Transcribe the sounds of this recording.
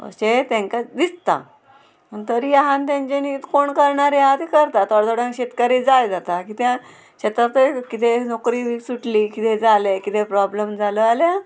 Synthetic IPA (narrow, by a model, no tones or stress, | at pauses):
ə̰ɕet̪ãŋkad̪ist̪a̰ | mənt̪əɾijaɦãnt̪̬jãɲt͡ɕenit̪koɳkəɾɳaɾeat̪ekəɾt̪at̪ɔɽd̪ɔɽãŋɕet̪kaɾid͡zajd͡zat̪akit̪ã | ɕet̪ɾat̪əkit̪enokɾiːʋisuʈlikit̪ed͡zalekit̪epɾɔbləmd͡zaləalja